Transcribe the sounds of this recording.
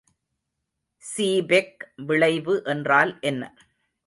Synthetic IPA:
siːbɛkʋɪɭɐɪʋɯʔɛndraːlʔɛnːɐ

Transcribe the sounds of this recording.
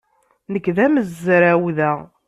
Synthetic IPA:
nəkːðæməzːɾæwðæ

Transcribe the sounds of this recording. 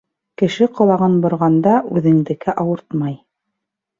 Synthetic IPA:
kɘ̆ʃɘqŏlˠɑʁɤnbŏɾʁɑnd̪ɑʔʉðɘ̆ŋd̪ɘ̆kɘʔɑwɤɾt̪mɑj

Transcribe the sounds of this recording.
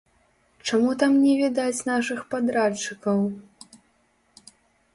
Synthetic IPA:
t͡ʂamut̪amnʲɛvʲɛd̪at͡sʲnaʂɨxpad̪ɾat͡ʂːɨkɐw

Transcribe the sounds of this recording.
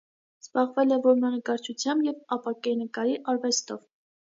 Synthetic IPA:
z̥bɑʁvɛlɛvɔɾmɑnəkɑɾt͡ʃʰut͡sʰjɑmbjɛvɑpɑkɛnəkɑɾiʔɑɾvɛst̪ɔv

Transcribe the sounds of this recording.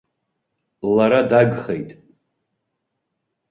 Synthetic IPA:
laɾadaɡχejtʼ

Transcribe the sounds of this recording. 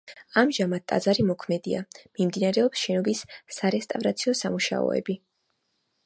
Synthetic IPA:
amʒamat̪̚t̪ʼa̰d̪zaɾimɔkʰmɛd̪ia̰mimd̪inaɾɛɔpsʃɛnɔbisːaɾɛst̪ʼavɾat̪sʰiɔsamuʃa̰ɔ̰ɛ̰bi

